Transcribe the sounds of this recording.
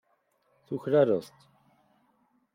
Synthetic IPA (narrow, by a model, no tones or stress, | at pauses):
θuçɾaɾə̰st̪